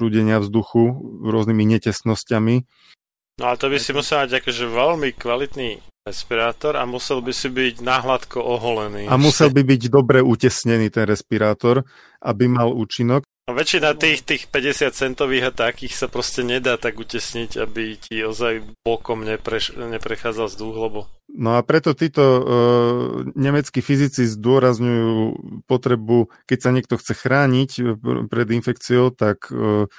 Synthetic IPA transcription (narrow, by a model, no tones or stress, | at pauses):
uːɟɛɲɪavzd̪uxuɾʊɔznimiɲɛcɛst̪nɔscami | nɔalɛt̪ɔbisimusɛlamaɟakɔʒɛʋɛlmikʋalit̪niːɾɛspiɾaːt̪ɔɾa̰musɛlbisibiɟnaːɦlat̪kɔʔɔɦɔlɛniːamusɛlbibiɟd̪ɔbɾɛucɛsɲɛniːt̪ɛnɾɛspiɾaːt̪ɔɾ | ʔabimaluːt͡ʃinɔk̚ | aʋɛt͡ʃinat̪iːxt̪iːxpɛɟɛsɪat̪t͡sɛnt̪ɔʋiːɣat̪akiːxsapɾɔscɛɲɛd̪aːt̪aɡucɛsɲiɟabitiɔzajblɔkɔmɲɛpɾɛʃɲɛpɾɛxaːd͡zalzd̪uɣlɛbɔnɔapɾɛt̪ɔt̪iːt̪ɔ | ɲɛmɛt͡skifizit͡sizd̪ʊɔɾazɲujuːpɔt̪ɾɛbukɛcsaɲɪɛkt̪ɔxt͡sɛxɾaːɲicpɾɛd̪infɛkt͡siɔʊt̪akː